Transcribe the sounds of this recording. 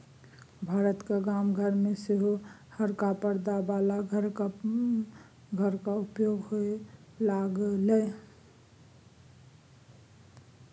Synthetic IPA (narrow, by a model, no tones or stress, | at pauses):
bʱaːɾət̪kaɡamɡʱəɾmeseɦohəɾkapəɾd̪abalaɡʱəɾka | ɡʱəɾkaʊpjoɡɦoe | laɡle